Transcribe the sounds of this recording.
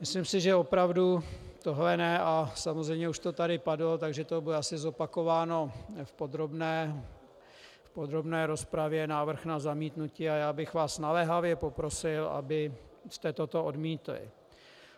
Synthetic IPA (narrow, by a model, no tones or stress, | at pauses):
mɪslimsɪʒɛo̞pɾavdut̪oɦlɛnɛasamozrɛjmɲɛuʃt̪ot̪adɪpadlot̪aɡʒɛt̪obɪɛasɪzo̞pako̞vaːno̞fpo̞d̪ɾobnɛː | fpo̞d̪ɾo̞bnɛːɾo̞spɾavjɛnaːvr̩xnazamiːt̪nuciːajaːbɪxvaːsnalɛɦavjɛpo̞pɾo̞sɪlʔa̰bɪst̪ɛt̪ot̪o̞odmiːt̪lɪ̰